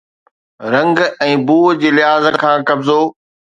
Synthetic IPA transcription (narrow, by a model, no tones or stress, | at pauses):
ɾɐ̃ŋɡɛ̃ːbuːd͡ʑeːlɪɦaːzət̪kʰãːkɐbzoː